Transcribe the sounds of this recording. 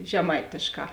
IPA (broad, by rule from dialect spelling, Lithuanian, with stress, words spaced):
ʒʲɛˈmɐɪtʲeːʃˌkɑː